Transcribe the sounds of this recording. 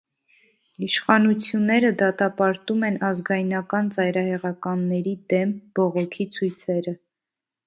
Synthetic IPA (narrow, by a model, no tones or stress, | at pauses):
iʃχɑnut͡sʰjunːɛɾəd̪ɑt̪ɑpɑɾt̪umɛnɑzɡɑjnɑkɑnt͡sɑjɾɑhɛʁɑkɑnːɛɾid̪ɛmb̥ɔʁɔkʰit͡sʰujt͡sʰɛɾə